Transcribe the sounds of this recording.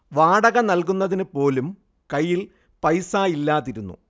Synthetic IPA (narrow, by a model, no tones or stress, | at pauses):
ʋaːɽɐɣɐnɐlk̬unːɐðinɨpo̞ːlum | kɐjːil | pɐjsaːjilːaːt̪ːiɾunːṵ